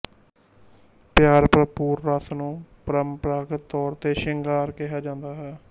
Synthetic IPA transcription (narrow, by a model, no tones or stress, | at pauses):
pjaːɾpɾəpuːɾːasʰnũːpəɾəmpəɾaːɡɾɪt̪ːɔːɾt̪eːʃɪŋɡaːɾkɪɦaːd͡ʒãːnd̪aːɦɛː